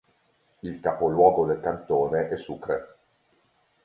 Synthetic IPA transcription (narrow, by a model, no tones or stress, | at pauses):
ilkapolwɔːɡod̪elkant̪oːneʔɛsːuːkɾe